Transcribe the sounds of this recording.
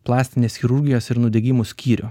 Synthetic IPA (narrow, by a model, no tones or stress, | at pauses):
plˠɑːsʲt̪ʲɪnʲeːsxʲɪɾʊɾʲɡʲɪjoːsɪɾnʊd̪ʲɛɡʲɪmʊsʲkʲiːɾʲʊ